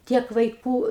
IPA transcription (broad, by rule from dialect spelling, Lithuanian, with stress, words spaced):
ˈtʲiɛk ʋɐɪˈkuː